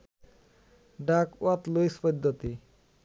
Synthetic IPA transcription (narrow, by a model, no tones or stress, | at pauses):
ɖakuat̪luispod̪ʱːot̪i